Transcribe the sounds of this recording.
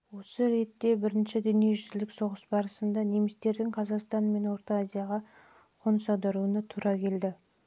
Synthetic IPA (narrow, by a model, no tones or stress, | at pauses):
wo̞səɾe̞t̪ːe̞bɪɾɪnʃɪd̪ʏnije̞ʒʏzlɪkso̞ʁəsbɑɾəsənd̪ɑne̞mɪst̪e̞ɾd̪ɪŋqʰɑzɑqst̪ɑnme̞nwo̞ɾt̪ɑazʲijaʁɑ | qʰo̞nsɑd̪ɑɾuənət̪ʰuɾɑkʲʰe̞ld̪ɪ